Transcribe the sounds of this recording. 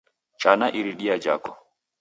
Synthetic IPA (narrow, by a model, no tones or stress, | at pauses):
t͡ʃanaʔiɾiɗiad͡ʒa̰kɔ